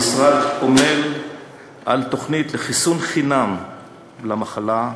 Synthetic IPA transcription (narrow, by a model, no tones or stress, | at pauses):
sʁad̪omel | ʔa̰lt̪o̞χnit̪leχisunχinam | lamaχala